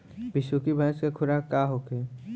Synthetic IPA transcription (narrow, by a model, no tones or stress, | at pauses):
bɪʃukibãːskakʰʊɾakaːɦokeː